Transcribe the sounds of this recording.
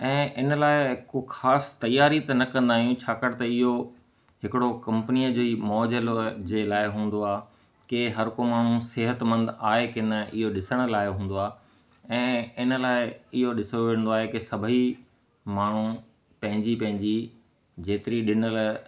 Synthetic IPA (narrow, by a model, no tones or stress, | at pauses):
ɛ̃ːʔɪnə̆laːɪɦɪkoxaːst̪ɐjaːɾit̪ɐnɐkɐ̃nd̪aːɦijũt͡ɕʰaːkɐɽɪt̪ɐɪɦo | ɦɪkɪɽokɐ̃mpənijəd͡ʑoːimɔːd͡ʑəld͡ʑeːlaːɪɦũːn̆d̪oaː | keɦɐɾkomaːɳ̤̃ũsɪɦət̪mɐ̃nd̪aːɦekɪnəʔɪɦoɗɪsəɽ̃ə̆laːɪɦũːn̆d̪oaː | ɛ̃ːɪnə̆laːɪɪɦoɗɪsoʋeə̃n̆d̪oaːɦekesɐbʱəi | maːɳ̤̃ũ | pɐ̃ɦɪ̃ɲd͡ʑipɐ̃ɦɪ̃ɲd͡ʑi | d͡ʑeːt̪ɪɾiɗɪnəl